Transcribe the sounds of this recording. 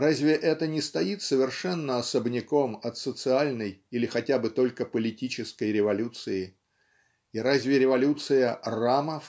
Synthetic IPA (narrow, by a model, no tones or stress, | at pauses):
razʲvʲɪʔɛt̪ənʲɪst̪ɐit̪səvʲɪrʂɛnːəɐsəbnʲɪko̞mɐt̪sət̪sɨalʲnəjilʲɪxɐtʲabɨt̪o̞lʲkəpəlʲɪtʲit͡ɕɪskəjɾʲɪvɐlʲut̪sɨɪ | iɾazʲvʲɪɾʲɪvɐlʲut̪sɨjəraməf